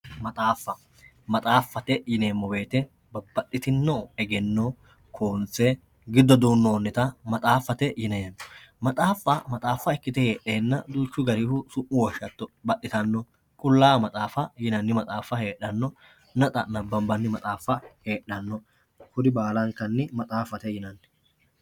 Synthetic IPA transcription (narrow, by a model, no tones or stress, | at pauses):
mɐt̪ʼaːfːɐ | mɐt̪ʼaːfːɐt̪ɛjɪneːmːɔbe̞ːt̪ɛ | bɐb̥ɐʔɪt̪ɪnːoɛɡɛnːɔ | kʰoːnt͡sːe | ɡɪd̪ːɔd̪uːnːoːnːɛt̪ɐmɐt̪ʼaːfːɐt̪ɛjɪnɐjɐnːɔmɐt̪ʼaːfːɐmɐt̪ʼaːfːɐɛkːɪt̪ɛheːʔe̞ːnːɐd̪uːt͡ʃːʊɡɐɾihʊsʊʔːʊwɔʃːɐt̪ːɔbɐʔːɪt̪ɐnːɔ | kʼʊlːaːmɐt̪ʼaːfɐjɪnɐnːɪmɐt̪ʼaːfɐheːʔːɐnːɔ | nɐt̪ʼɐnɐbːɐmbɐnːɪmɐt̪ʼaːfːɐhe̞ːɗːɐnːɔ | hʊd̪ɪbaːlɐŋkːɐnːɪmɐt̪ʼaːfɐt̪ɛjɪnɐnːɪ